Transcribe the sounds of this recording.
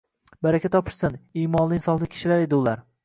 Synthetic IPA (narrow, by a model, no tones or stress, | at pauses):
baɾakʲat̪ːʰɒpʰɪ̥ʃsɪniːmɒnlˠɪːnsɒχlˠɪkʲʰɪ̥ʃɪlaɾe̞d̪ɪʊlaɾ